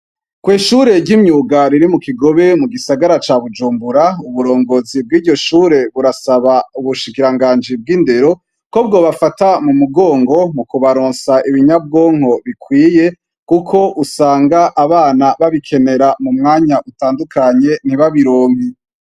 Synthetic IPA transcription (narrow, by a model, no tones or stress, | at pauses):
kwiːʃuːɾe̞ɟɟimɲuːɡaɾiɾimukiɡo̞βemuɡisaɡaɾat͡ʃaːβud͡ʒuːmbuɾauβuɾo̞ːŋɡozib̚ɡiːdɟo̞ʃuːɾe̞βuɾasaβauβuʃikiɾaŋɡaːnd͡ʒib̚ɡiːnde̞ɾo̞ | ko̞b̚ɡoːβafatamumuɡoːŋɡo̞mukuβaɾoːnsaʔiβiɲab̚ɡoːŋ̥ho̞βikwiːje | kukʰo̞ʔusaːŋɡaʔaβaːnaβaβikʰe̞ne̞ɾamumŋaːɲaʔutaːndukaɲe̞n̥iβaβiɾoːŋi